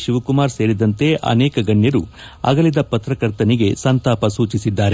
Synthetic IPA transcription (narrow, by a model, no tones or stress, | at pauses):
ʃiʋɐkumaːɾse̞ːɾid̪ɐnt̪e̞ʔɐ̰nɛːkɐɡɐɳːjɐɾu | ɐ̰ɡɐlid̪ɐpɐt̪ɾɐkɐɾt̪ɐniɡe̞sɐnt̪aːpɐsuːt͡ʃisid̪ːaːɾe